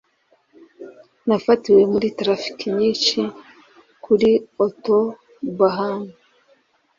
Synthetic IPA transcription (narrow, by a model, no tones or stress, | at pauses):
nafatiwe̞muɾitɾafi̥kiɲiːʃi | kʰuɾioto | baɦaːŋɡa